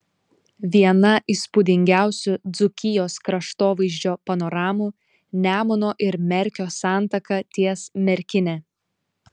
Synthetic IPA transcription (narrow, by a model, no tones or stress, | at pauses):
ʋʲiɛnɐʔispʊd̪ʲɪŋʲɡʲæˑʊsʲʊd̪zʊkʲɪjoːskɾɐʃt̪oːʋɐɪʒʲd͡ʒʲoːpɐnɔɾɑːmu | nʲæːmʊnoːʔɪɾmʲɛɾʲkʲoːsɑˑnt̪ɐkɐt̪ʲiɛsmʲɛɾʲkʲɪnʲɛ